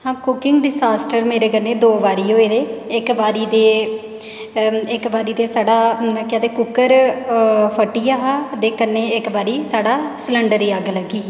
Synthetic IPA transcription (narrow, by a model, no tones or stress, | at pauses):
hãːkʊkɪŋɡɖɪsaːsʈəɾmeːɾeːkəneːd̪oːʋaːɾiːoːeːd̪eːɪkbaːɾiːd̪eː | ɪkbaːɾiːd̪eːsaːɖaːkɛ̃d̪eːkʊkːəɾ | pʰəʈːiːaːɦaːd̪eːkənːeːɪkbaːɾiːsaːɽaːsləɳɖəɾiːaɡləɡiː